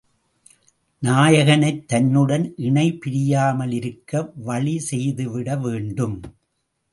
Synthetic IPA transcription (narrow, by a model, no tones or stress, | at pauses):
naːjɐɣɐnɐɪt̪ːɐnːɯɽɐnʔɪɳɐɪpɪɾɪjaːmɐlɪɾɯkːɐʋɐɭisɛjðɯʋɪɽɐʋeːɳɖɯm